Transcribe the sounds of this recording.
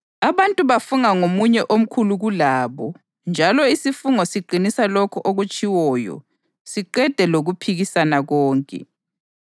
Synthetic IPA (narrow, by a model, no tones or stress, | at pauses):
aβantʼuβafuŋaŋomuɲɛʔom̩kʰuluɣulaːβɔ | nd͡ʒʱalɔisifuŋɔsiǃʱinisalokʰɔʔoɣut͡ʃʼiwɔːjɔ̰ | siǃɛd̥ʱɛloɣupʰiɣisanaɣɔːŋkʼɛ̰